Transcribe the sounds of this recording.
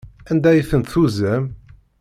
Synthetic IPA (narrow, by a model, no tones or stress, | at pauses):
ænd̪æjiθənt̪θuzæm